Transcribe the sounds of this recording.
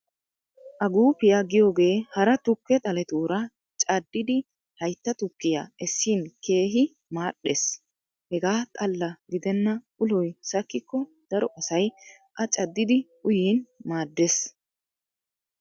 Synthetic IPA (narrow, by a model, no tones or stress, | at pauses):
ʔɐɡuːpɪjaːɡɪjo̞ːɡe̞ːhɐɾɐt̪ʊkːɛt̪ʼɐlɛt̪uːɾɐ | t͡ʃʼɐd̪ːɪd̪ɪ | hɐjt̪ːɐt̪ʊkːɪja̰ːɛsːiːnkʰe̞ːɦɪ | maːɗːeːs | hɛɡaːt̪ʼɐlːɐɡɪd̪ɛnːɐʔʊlɔjsɐkːɪkːɔd̪̥ɐɾɔʔɐsɐj | ʔɐt͡ʃʼɐd̪ːɪd̪ɪʔʊjiːnmaːd̪ːeːs